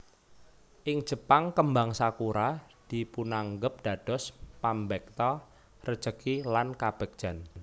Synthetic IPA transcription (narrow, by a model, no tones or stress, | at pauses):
ʔɪŋ̥ʒ̥ə̤paŋkəmbaŋsakuɾa | d̥ipunaŋɡəp̚d̥a̤d̥ɔ̤spambɛk̚t̪ɔ | rə̥t͡ʃəkilankab̥ɛk̚d̥ʒ̥a̤n